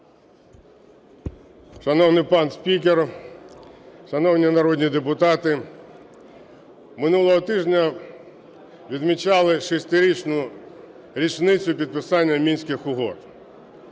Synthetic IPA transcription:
ʃɐnɔwnɪjpɑnsʲpʲik̬ʲer | ʃɐnɔwnʲinɐɾɔd̪ʲnʲid̪epʊt̪ɑt̪ɪ | mɪnulˠɔɦɔt̪ɪʒnʲɐ | ʋʲid̪mʲit͡ʃɑlˠɪʃisʲt̪ɪɾʲit͡ʃnʊ | ɾʲit͡ʃnɪt͡sʲʊpʲid̪̚pɪsɑnʲːɐmʲinʲsʲkɪxʊɦɔ̰t̪

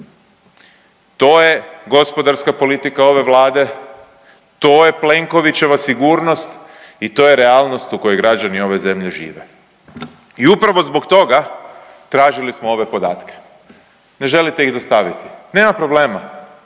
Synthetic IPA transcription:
t̪o̞ːje̞ɡo̞spo̞d̪aɾskapo̞lit̪ikao̞ʋe̞ʋlˠaːd̪e̞ | t̪oːje̞ple̞ŋko̞ʋit͡ɕe̞ʋasiɡuːɾno̞st̪it̪o̞ːjeɾealˠno̞st̪uko̞joɡɾad͡ʒanio̞ʋe̞ze̞mʎe̞ʒḭːʋe̞̰ | iupɾaʋo̞zbo̞kt̪o̞ɡa | t̪ɾaːʒilismoo̞ʋe̞po̞d̪a̰ːt̪ke̥ | ne̞ʒe̞lit̪e̞iɣd̪ost̪aʋit̪i̥ne̞ːmapɾo̞ble̞ːma

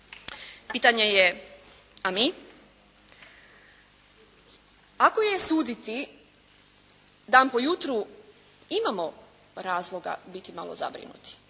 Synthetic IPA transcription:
piːt̪aɲeje | ami | akojesuːd̪it̪i | d̪aːnpo̞jut̪ɾu | imamo̞ | ɾaːzlˠo̞ɡa̰bit̪ima̰lo̰za̰bɾḭnṵt̪i̥

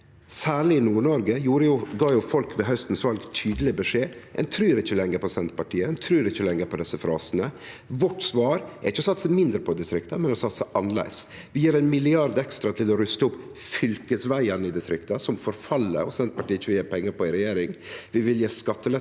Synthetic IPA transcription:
sæːɭɪɪnuːɳɔɾɡəjuːɾəjʊɡɑːjʊfɔlkʰʋɛɦœst̪n̩sʋɑlɡt̪ʰyːd̪əlɪbəʂeːʔɛ̰nt̪ʰɾyːɾɪçːəlɛŋːəɾpʰɔsɛnt̪̚pɑʈʰiːəɛnt̪ʰɾyːɾɪçːəlɛŋːəɾpʰɔd̪ɛsəfɾɑːsənə | ʋɔʈsʋɑːɾɛɾɪçːəɔsɑt̪ːsæmɪnd̪ɾəpʰɔd̪ɪst̪ɾɪkt̪ɑmɛnɔsɑt̪ːsæʔɑnːlæ̰ɪs | ʋɪjiːɾæɪnmɪlɪɑɾd̪ɛkst̪ɾɑt̪ʰɪlɔɾʉst̪əʊpː | fʏlkəsʋæɪənɪd̪ɪst̪ɾɪkt̪ɑsɔmfɔɾfɑlːə̰ɔsɛnt̪̚pɑʈiːɪçəʋɪljeːpʰɛŋːəɾpɔɪɾɛjeːɾɪŋʋɪʋɪljeːskɑt̪ːəlɛ

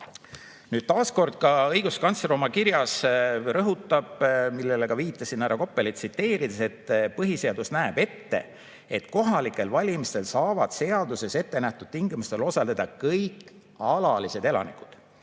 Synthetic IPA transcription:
nyːd̪̥̚t̪ɑːsko̞rd̪̥̚kɑɤjɡ̥uskɑnseɾomɑkiɾjɑsrɤɦut̪ːˑɑb̥milːe̞leɡ̥ɑviːt̪ːˑɑsinːæɾɑko̞pːˑe̞lit̪sit̪ːe̞ːɾid̪̥ese̞t̪ːpɤɦise̞ɑd̪usnæeb̥e̞t̪ːe̞̰ | et̪ko̞ɦɑlikːˑe̞lvɑlʲimist̪e̞lsɑːvɑd̪̥se̞ɑld̪̥use̞se̞t̪ːe̞næht̪ud̪̥t̪iŋɡimust̪e̞lo̞sɑle̞d̪̥ɑkɤjkːˑ | ɑlɑlise̞d̪e̞lɑ̰niku̥d̪̥

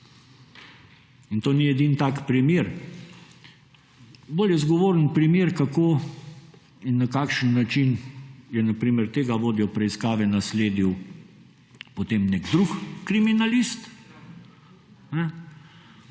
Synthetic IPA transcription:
int̪oːniɛd̪int̪aːkpɾimjeːɾ | boːljɛzɡɔʋoːɾənpɾimeːɾkakoː | inːɐkaːkʃənːat͡ʃinjɛnapɾiːmɛɾt̪eːɡaʋoːd̪jɛwpɾɛiskaːʋɛnasleːd̪iw | pot̪eːmneɡd̪ɾukkɾiminalist̪ | nɛ

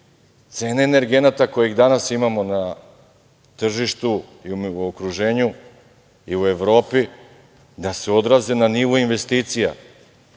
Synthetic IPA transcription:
t̪se̞ːneːne̞ɾɡe̞nat̪ako̞jiɣd̪anasimamo̞na | t̪r̩ʒiʃt̪uiumiokɾuʒe̞ːɲu | iue̞ʋɾo̞ːpi | d̪ase̞o̞d̪ɾaze̞naniʋoinʋe̞st̪iːt̪sija̰

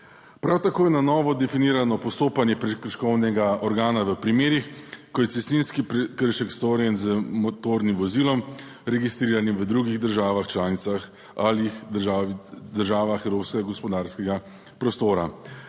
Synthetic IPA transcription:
pɾawt̪akoːjɛnanɔːʋɔd̪ɛfiniːɾanɔpɔst̪oːpanjɛpɾɛkɾʃkɔwnɛɡaɔɾɡaːnaʋəpɾimeːɾixkɔjɛtsɛst̪ninskipkəɾʃɛkst̪oːɾjɛnzəmɔt̪oɾnimʋɔzilɔm | ɾɛɡist̪ɾiːɾanimʋəd̪ɾuɡiɣd̪əɾʒaːʋaxt͡ʃlaːnit̪sax | alix | d̪əɾʒaːʋaxɛwɾoːpskɛɡaɡɔspɔd̪aːɾskɛɡa | pɾɔst̪oːɾa

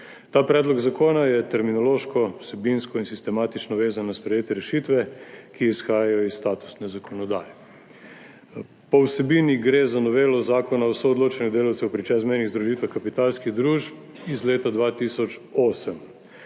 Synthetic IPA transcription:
t̪aːpɾɛːd̪lɔɡzakoːnajɛt̪ɛɾminɔloːʃkɔwsɛbinskɔinsist̪ɛmaːt̪it͡ʃnɔʋeːzanaspɾɛjeːt̪ɛɾɛʃit̪ʋɛkiːsxaːjajɔisːt̪aːt̪u̥snɛzakʰɔnɔd̪aːjɛ | pɔwsɛbiːniɡɾeːzanɔʋeːlɔzaːkɔnaowsoɔd̪loːt͡ʃɛnɛd̪eːlawt̪sɛwpɾit͡ʃɛzmɛjniɣzd̪ɾuʒiːt̪ʋaxkapit̪aːlskiɣd̪ɾuːʒp | izleːt̪ad̪ʋaːt̪isɔt͡ʃoːsəm

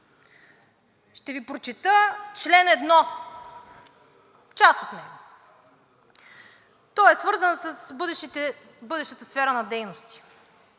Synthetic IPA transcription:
ʃt̪ɛvipɾot͡ʃit̪ət͡ʃlɛnɛd̪nɔ | t͡ʃast̪ot̪nɛɡo | t̪ɔɛsvɤɾzənsəsbɤd̪ɛʃt̪ɛbɤd̪ɛʃt̪ət̪əsfɛɾənɐd̪ɛjnost̪i̥

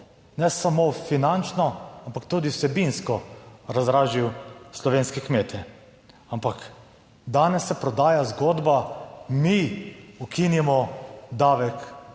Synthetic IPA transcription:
nɛsamofinant͡ʃnɔampakt̪uːd̪isɛbinskɔɾazɾaːʒiwslɔʋeːnskɛkmeːt̪ʰɛ | ampak | d̪aːnɛsːɛpɾɔd̪aːjazɡoːd̪bamiukinimɔd̪aːʋɛk

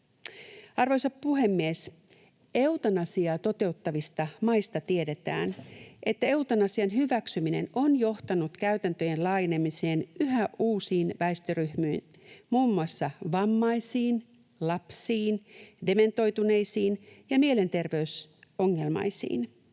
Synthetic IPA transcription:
ɑrʋo̞jsɑppuɦe̞mːie̞s | e̞wt̪ɑnɑsiɑt̪o̞t̪e̞ut̪ːɑʋist̪ɑmɑjst̪ɑt̪ie̞de̞t̪æ̰ːnʔe̞t̪ːæe̞wt̪ɑnɑsiɑnɦyʋæksymine̞̰no̞njo̞ht̪ɑnut̪kæɥt̪ænt̪øje̞nlɑːje̞ne̞mise̞ːnyɦæʔuːsiːnʋæest̪øɾyhmyin | muːmːuɑsːɑʋɑmːɑjsiːn | lɑpsiːnde̞me̞nt̪o̞jt̪une̞jsiːnjɑmie̞le̞nt̪e̞rʋe̞yso̞ŋːe̞lmɑ̰jsḭːn

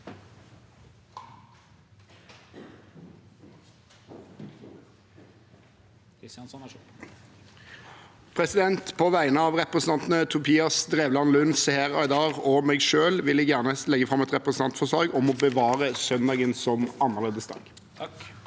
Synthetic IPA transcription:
pʰʁɛsɪd̪ɛnt̪pʰɔʋæɪnəɑːʋʁɛpʁɛsn̩ʰɑnt̪nət̪ʰʉpʰiːɑsd̪ʁeːʋlɑnlʉnshæʁɑɪd̪ɑʁɔmeːɡʃøːlʋɪlɛjæːʁnəlɛɡəfʁɑmɛt̪ʁɛpʁəsn̩ɑnt̪fɔʂlɑːɡɔmɔbəʋɑːʁəsœnd̪ɑːɡənsɔmɑnːəʁleːd̪əsd̪ɑ̰ːɡ̥

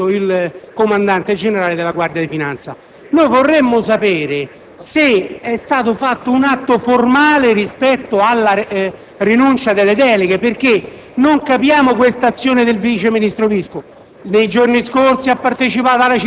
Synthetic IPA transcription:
oilkomand̪ant̪ed͡ʒeneɾaːled̪ɪlaɡward̪jad̪ifinant̪sa̰ | nojvorːemːʊs̬apɛːɾe | seɛst̪aːt̪ofat̪ːounat̪ːoformaːleɾispɛt̪ːoalːa | rinunt͡ʃad̪elːed̪ɛːleɡeperk̟e | noŋkapjaːmok̬west̪at̪sːjoːned̪elvit͡ʃeminist̪ɾovisko | nejd͡ʒorniskorsiapːart̪et͡ʃipaːt̪alːat͡ʃ

